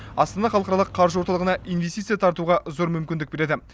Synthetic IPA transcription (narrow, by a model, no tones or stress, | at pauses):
ɑst̪ɑnɑχɑlˠqɑɾɑlˠəqʰːɑɾʒəwo̞ɾt̪ɑlˠʁənɑijnve̞st̪it̪sɨjɑt̪ʰɑɾt̪uʁɑzo̞ɾmʏmkʲɪnd̪ɪk̚be̞ɾed̪ɪ